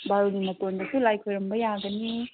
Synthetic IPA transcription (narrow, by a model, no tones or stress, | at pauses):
baɾoɡimɐtondɐsulajkʰojɾɐmbɐjaɡɐni